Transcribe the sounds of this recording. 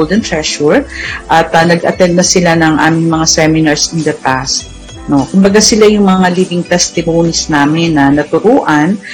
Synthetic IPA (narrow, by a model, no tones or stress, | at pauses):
ld̪ɛnt̪ɹɛʃʊɹʔɐt̪ɐnɐɡʔɐ̰t̪ɛnd̪̚nɐsɪlanɐŋʔaːmɪŋmɐŋasɛmɪnɐɹsɪnd̪ɐpast̪̚ | no̞kʊmbɐɡasɪlajʊŋmɐŋaliːbɪŋt̪ɛst̪ɪmoːnisnaːmɪnːɐnɐt̪ʊɾuːʔɐn